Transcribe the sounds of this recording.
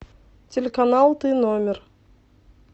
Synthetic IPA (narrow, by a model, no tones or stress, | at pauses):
tʲelʲekanalˠt̪ɨnomʲɪr